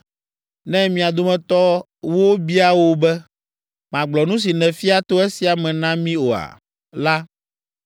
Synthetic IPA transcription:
nɛ̃˦mĩ˨a˨d̪o˦mɛ̃˨t̪ɔ˦ | wo˦bi˦a˦wo˦bɛ˦ | mã˨ɡ͡blɔ˨nũ˦s̬i˨nɛ̃˨fi˦a˦t̪o˦e˦si˨a˨mɛ̃˨nã˦mĩ˦o˨a̰˨ | la˦

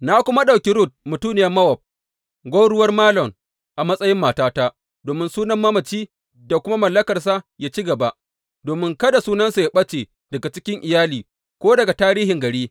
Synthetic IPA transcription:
na˦kʷʊ˦ma˦ɗa˨kʲi˦ɾʊ˦˨t̚mʊ˨tuː˦nɪ˨jɐ˦mɐ˦wɔ˨p̚ | ɡʷo˦ɽʊ˦wɐ˦rmaː˦lɔ˨ŋ | ʔa˨mɐ˦sʼɐ˦jɪ˦mːaː˨taː˦taː˦ | doː˨mɪ˦nsuː˦nɐ˦mːɐ˦mɐ˨t͡ʃiː˦ | da˨kʷʊ˦ma˦mɐ˨lːɐ˦kɐ˨rs̬a˦jaː˦t͡ʃi˦ɡɐ˨ba˦ʔ | doː˨mɪ˦ŋkɐ˦da˨suː˦nɐ˦nsu˨ja˦ɓɐ˦t͡ʃeː˨ | dɐ˨ɡa˨t͡ʃɪ˦kʲɪ˦ŋʔɪ˨jaː˦liː˨ | kʷoː˦dɐ˨ɡa˨taː˦ɾiː˦ɦɪ˨ŋɡɐ˨ɽiː˦

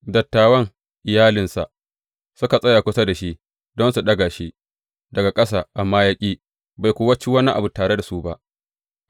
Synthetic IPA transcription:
dɐ˨tːaː˨wɐ˦ŋ | ʔɪ˨jaː˦lɪ˨nsa̰˨ | sʊ˦ka˨sʼɐ˦jaː˨kʷʊ˦sa˦da˨ʃi˦ʔ | dɔ˦nsu˨ɗɐ˦ɡa˨ʃi˦ʔ | dɐ˨ɡa˨kʼɐ˦saː˨ʔa˨mːaː˦ja˦kʲʼiː˦ | ba˨jkʷʊ˦wɐ˦t͡ʃi˦wɐ˦ni˦ʔa˨bu˨taː˨ɽe˦da˨su˦ba˦ʔ

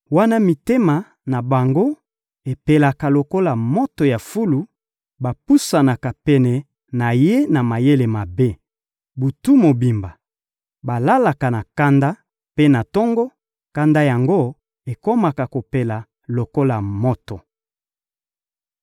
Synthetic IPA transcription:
wa˦na˦mi˨te˦ma˨ | na˨ba˨ŋɡo˦ | e˨pe˨la˨ka˨lo˨ko˦la˨mo˦to˨ja˨fu˦lu˨ | ba˨pu˦sa˨na˨ka˨pɛ˨nɛ˨ | na˨je˦na˨ma˨je˦le˨ma˨be˦ | bu˨tu˦mo˨bi˨mba˨ | ba˨la˦la˨ka˨na˨ka˦nda˦ | pe˦na˨tɔ˦ŋɡɔ˦ | ka˦nda˦ja˨ŋɡo˦ | e˨ko˦ma˨ka˨ko˨pe˨la˨ | lo˨ko˦la˨mo˦to˨

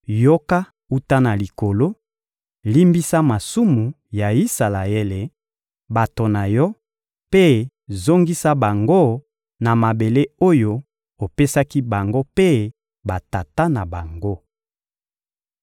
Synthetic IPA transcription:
jo˦ka˦ | u˦ta˦na˨li˨ko˨lo˦ | li˦mbi˦sa˦ma˨su˦mu˨ | ja˨i˦sa˨la˨e˦le˨ | ba˨to˨na˨jɔ˦ | pe˦ | zo˦ŋɡi˦sa˦ba˨ŋɡo˦ | na˨ma˨be˨le˦o˦jo˦ | o˨pe˦sa˦ki˦ba˨ŋɡo˦pe˦ | ba˨ta˨ta˦na˨ba˨ŋɡo˦

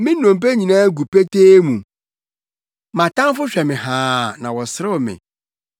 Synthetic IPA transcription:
mɪ̃˦nɔ̃˨m˨p̬e˦ɲĩ˨nãː˦ɡu˨pe˦tʰeː˦mũ˨ | mã˨tʰã˦ŋ˦fʊ˦ɕᶣɛ˨mɪ̃˨hãː˨˦nã˨wɔ˨sɪ˦ɾɪ˦˨mɪ̰̃˨

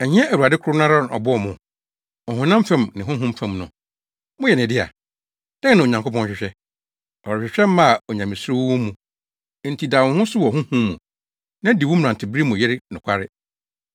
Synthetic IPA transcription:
ɛ˨ɲɪ̃˦ɛ˦ʔæ˨u˨a˨dɪ˦kʰɾʊ˦nã˦ɾa˦ñ˨ɔ̰˨bʊ˦ɔ˦˨mʊ̃˨ | ɔ̃˨ɦʊ̃˦nã˦mfɛ̃˨mnɪ̃˨ɦʊ̃˦ɦũ˦mfɛ̃˨mnʊ̃˨ | mʊ̃˦jɛ˨nɪ̃˨dɪ˦a̰˨ | d̥ã˦nã˨o˨ɲã˨ŋkʰo˦pʰɔ̃˦ɕᶣɪ˨ɕᶣɛ˦ | ɔ˨ɾɔ˨ɕᶣɪ˨ɕᶣɛ˦m˦mã˦a˨ɔ˨ɲã˨mɪ̃˨sʊ˦ɾo˦wʊ˦wʊ̃˦mũ˨˦ | n̩˨tʰi˨da˨w̃hʊ̃˦sʊ˦wɔ˨hʊ̃˦hũː˦ṵ̃˨ | nã˦di˨wʊ˦m̩˨ɾã˨ntʰɪ˨bɾi˦mũ˨jɛ˦ɾɪ˦nʊ̃˨kʷʰa˦ɾɪ˦

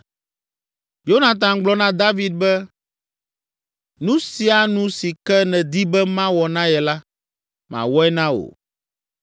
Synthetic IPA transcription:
jo˦nã˨t̪̬ã˨ɡ͡blɔ˦nã˦d̪a˦vi˨d̪̚bɛ˦ | nũ˦si˨˦a˨nũ˦si˨kɛ˦nɛ̃˨d̪i˦bɛ˦mã˦wɔ˨nã˦jɛ˨la˦ | mã̰˨wɔ˦ɛ˦nã˦o̰˨

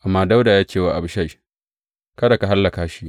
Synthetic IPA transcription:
ʔa˨mːaː˦da˦wdaː˨jaː˦t͡ʃʲeː˨wa˦˨ʔa˨bʃa˦˨ | kɐ˦da˨ka˨ɦa˦lːɐ˨kaː˨ʃi˦ʔ

